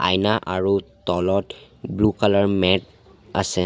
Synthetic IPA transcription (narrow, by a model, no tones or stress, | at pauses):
a̰jnaʔaɹut̪ɔlɔtblukalaɹmɛt̚ | a̰sɛ